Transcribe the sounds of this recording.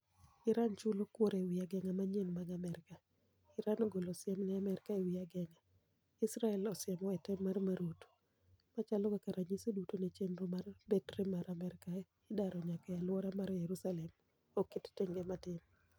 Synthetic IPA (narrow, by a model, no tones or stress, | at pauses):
ɪɾant͡ʃʊlokwoɾewiaɡɛŋamaɲenmaɡamɛɾɪka | ɪɾanɔɡolosɪɛmnɛamɛɾɪkaewiaɡɛŋa | ɪsɾaɛlɔsɪjɛmɔɛtɛmːarmaɾot | mat͡ʃalɔkakaɾaɲisodutonet͡ʃendɾomarbetrɛmaɾamɛɾɪka | ɪdaɾɔɲakajalwɔɾamaɾjeɾusalɛm | okːɪttɪŋɡɛmatɪm